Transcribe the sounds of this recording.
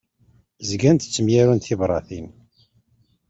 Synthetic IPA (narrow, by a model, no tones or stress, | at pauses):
zɡænt̪t͡sːəmjæɾunt̪θivɾˤɑθin